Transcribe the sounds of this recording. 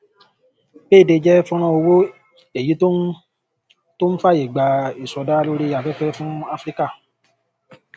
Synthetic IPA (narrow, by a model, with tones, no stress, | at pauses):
beː˦˨de˧d͡ʒɛ˦fũ˦ɾ̃ã˧˦o˧wo˦ | e˨ji˨˦to˦ | to˦n̩˦fa˦˨je˨ɡ͡ba˨i˨sɔ˧da˦˧lo˦ɾi˧˦a˨fɛ˦fɛ˦fũ˦a˧fɾi˦ka˦˨